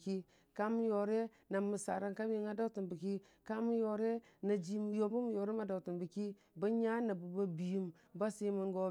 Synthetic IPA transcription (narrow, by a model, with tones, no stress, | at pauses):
ki˦ | ka˦m˦jo˨ɾe˦ | na˨mu˨sa̰˨ɾa˨nka˦m˦i˦ŋa˦da˦ti˨nbi˨ki˦ | ka˦mu˦jo˨ɾe˦ | na˨d͡ʒi˦m˨jo˨˦bu˦mu˨jo˨ɾe˦ma˨da˨ti˨bi˨ki˦ | ba˦ɲa˦na˨bu˨ba˦bi˨ji˦m | ba˦si˦mi˦ŋɡo˦